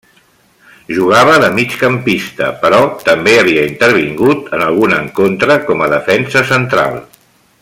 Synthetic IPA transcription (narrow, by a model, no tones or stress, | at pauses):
ʒuɣaβ̞əðəmit͡ʃkəmpist̪ə̰pəɾɔt̪əmbeəβ̞iəint̪əɾβ̞iŋɡut̪ənəlˠɣunəŋkont̪ɾəkɔməðəfɛnsəsənt̪ɾa̰lˠ